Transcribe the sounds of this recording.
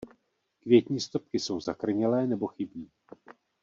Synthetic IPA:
kvjɛt̪ɲiːst̪o̞p̚kɪso̞wzakr̩ɲɛlɛːnɛbo̞xɪbiː

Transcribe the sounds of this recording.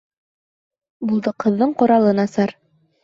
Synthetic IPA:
bulˠd̪ɤqɤ̆ðːɤɴqŏɾɑlˠɤnɑsɑɾ

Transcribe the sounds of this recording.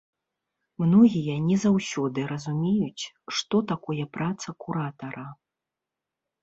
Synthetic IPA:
mnɔɣʲijɐnʲɛzawsʲɔd̪ɨɾɐzumʲejut͡sʲ | ʂt̪ɔt̪akɔjɛpɾat̪sɐkuɾat̪ɐɾɐ

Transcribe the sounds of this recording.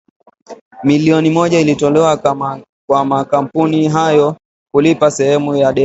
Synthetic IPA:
miliɔnimɔʄailitɔlɛwa | kwamakam̩puniɦajɔ | kulipasɛhɛmujaɗɛ

